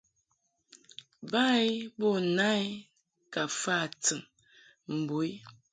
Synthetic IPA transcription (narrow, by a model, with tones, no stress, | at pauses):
ba˦jbɔ˦˨na˦j | ka˨fa˦˨tɨ˨ŋ | m̩˨bo˨˦i˦